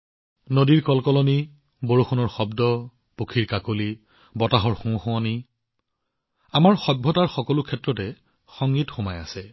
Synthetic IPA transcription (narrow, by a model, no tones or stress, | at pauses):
nodiɹkɔlkɔlɔni | boɹuxʰɔnɔɹxɔbdɔ | pukʰiɹkakoli | bɔtaɦɔɹxũxɔ̃ani | amaɹxɔbʱːɔtaɹxɔkɔlʊkʰɛtɹɔtɛ | xɔŋɡitxomaja̰sɛ